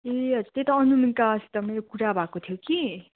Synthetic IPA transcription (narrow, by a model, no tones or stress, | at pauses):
eʌd͡zut̪et̪ʌʌnuminkasi̥t̪ʌmeɾokuɾabakːot̪ʰjoki